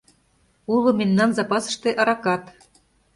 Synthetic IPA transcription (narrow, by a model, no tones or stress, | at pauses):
ulŏmemnɑnzɑpɑsə̥̆ʃt̪ĕʔɑɾɑkɑt̪